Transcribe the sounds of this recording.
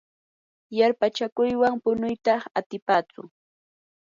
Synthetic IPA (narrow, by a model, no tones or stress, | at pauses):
jaɾpat͡ʃakʊjwaŋpʊnʊjt̪ɑχat̪ɪpaːt͡sʊ̰